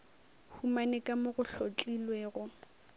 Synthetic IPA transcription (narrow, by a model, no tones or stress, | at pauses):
humanekʼamoɣʊɬʰot͡ɬʼilweːɣʊ